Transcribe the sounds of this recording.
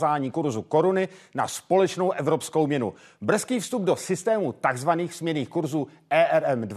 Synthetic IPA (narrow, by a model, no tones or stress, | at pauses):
zaːɲiːkuɾzuko̞ɾʊnɪna̰spo̞lɛt͡ʃno̞wʔɛvɾo̞pskowmɲɛnṵ | br̩skiːfst̪ub̚do̞sɪst̪ɛːmut̪aɡzvaniːxz̥mɲɛniːxkuɾzuːʔɛːʔɛɾɛmd